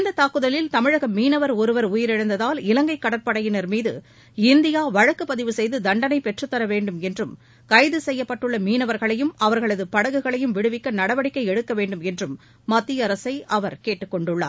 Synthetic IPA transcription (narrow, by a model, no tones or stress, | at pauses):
nd̪ɐt̪aːkːɯðɐlɪlt̪ɐmɪɻɐɣɐmiːnɐʋɐɾɔɾɯʋɐɾʊjɪɾɪɻɐnd̪ɐðaːlɪlɐŋɡɐɪkːɐɽɐpːɐɽɐjɪnɐɾmiːðɯ̰ | ɪnd̪ɪjaːʋɐɻɐkːɯpːɐðɪʋɯsɛjðɯd̪ɐɳɖɐnɐɪpɛʈrɯt̪ːɐɾɐʋeːɳɖɯmɛndrɯm | kɐɪðɯsɛjːɐpːɐʈːɯɭːɐmiːnɐʋɐɾɣɐɭɐjɯmɐʋɐɾɣɐɭɐðɯpɐɽɐɣɯɣɐɭɐjɯmʋɪɽɯʋɪkːɐnɐɽɐʋɐɽɪkːɐɪɛɽɯkːɐʋeːɳɖɯmɛndrɯmː | ɐt̪ːɪjɐɾɐsɐɪʔɐʋɐɾkeːʈːɯkːɔɳɖɯɭːa̰ː